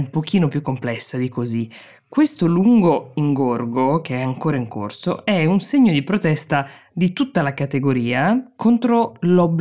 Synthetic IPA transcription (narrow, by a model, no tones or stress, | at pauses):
umpok̟iːnopjukːomplɛsːad̪ikozi | kːwest̪oluŋɡoiŋɡorɡok̟eɛaŋkoːɾaiŋko̰rso̰ɛunseɲːod̪ipɾot̪ɛst̪a | d̪it̪ut̪ːalakat̪eɡoɾiːakʰont̪ɾolɔbː